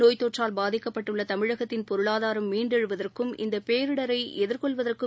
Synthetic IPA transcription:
noːjt̪ːoːʈraːlbaːðɪkːɐpːɐʈːɯɭːɐt̪ɐmɪɻɐɣɐt̪ːɪnpɔɾɯɭaːðaːɾɐmːiːɳɖɛɻɯʋɐðɐrkɯmʔɪ̰nd̪ɐpeːɾɯɽɐɾɐɪɛðɪrkɔɭʋɐðɐrkɯ

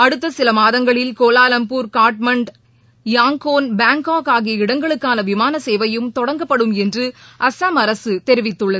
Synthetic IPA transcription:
ɐɽɯt̪ːɐsɪlɐmaːðɐŋɡɐɭɪlkoːlaːlɐmpuːɾkaːɾʈmɐɳɖ | jaːŋkoːnbaːŋkaːkaːɣiɪɽɐŋɡɐɭɯkːaːnɐʋɪmaːnɐseːʋɐjɯmt̪ɔɽɐŋɡɐpːɐɽɯmɛndrɯʔɐsaːmɐɾɐsɯt̪ɛɾɪʋɪt̪ːɯɭːɐð

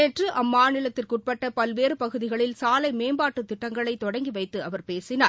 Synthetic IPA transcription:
ɛʈrɯʔɐmmːaːnɪlɐt̪ːɪlkʊʈ̚pɐʈːɐpɐlʋeːɾɯpɐɣɯðɪɣɐɭɪlsaːlɐɪmeːmbaːʈːɯt̪ːɪʈːɐŋɡɐɭɐɪt̪ːɔɽɐŋɡiʋɐɪt̪ːɯɐʋɐɾpeːsɪnaːɾ

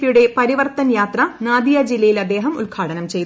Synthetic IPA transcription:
juɽe̞pɐɾiʋɐrt̪ɐnjaːt̪rɐnaːd̪ijɐd͡ʑilːɐjilɐd̪ːe̞ːɦɐmṵlɡʱʰaːʈɐnɐmt͡ɕe̞jt̪

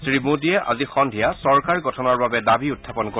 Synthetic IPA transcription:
sɹimudiɛʔa̰zixɔndʱijasɔɹkaɹɡɔtʰɔnɔɹbabɛdabiʊtʰːapɔnko

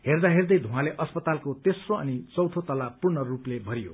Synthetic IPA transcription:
ɦerd̪aɦerd̪ʌjd̪ʱũɦãleʔʌspʌt̪alkot̪esroʌ̰nit͡sʌwt̪ʰot̪ʌlapurnʌruplebʱʌɾijo̰

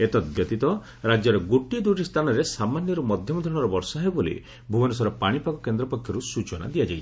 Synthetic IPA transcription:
et̪ɔd̪jɔt̪it̪ɔ | ɾad͡ʒɔɾɔɡoʈiɔd̪uʈist̪ʰanɔɾesamanjɔɾumɔd̪ʱjɔmɔd̪ʱɔɽ̃ɔɾɔbɔɾsɔɦebolḭ | bʱuɔnusɔɾɔpaɽ̃ipakɔkend̪ɾɔpɔkʰjɔɾusut͡ʃɔna̰d̪ijad͡ʒajt͡ʃʰi̥

